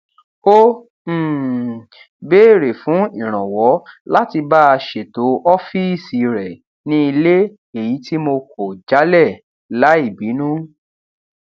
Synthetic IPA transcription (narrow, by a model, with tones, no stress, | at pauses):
o˦˨ | be˦˨ɾe˨fũ˨˦i˦˨ɾ̃ã˨wɔ˨˦la˦ti˧ba˦a˧ʃe˨to˨˦ʔɔ˦fi˦˨si˨ɾɛ˨ | nĩ˦i˧le˦ | e˨ji˨˦ti˦mo˧kɔ˨d͡ʒa˨˦lɛ˦˨ | la˨˦i˦˨bi˨˦nũ˦